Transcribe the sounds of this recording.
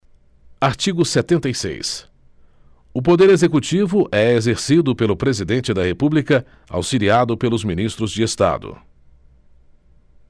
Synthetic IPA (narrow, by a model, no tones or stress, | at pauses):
aɾt͡ʃiɡʊset̪ẽnt̪ejsḛjs | ʊp̬od̪eɾezekut͡ʃivʊʔɛezeɾsid̪ʊpelʊpɾezid̪ẽnt͡ʃɪd̪ɐhepublikɐ | a̰wsiliad̪ʊpelʊzminist̪ɾʊzd͡ʒɪest̪a̰d̪ʊ̰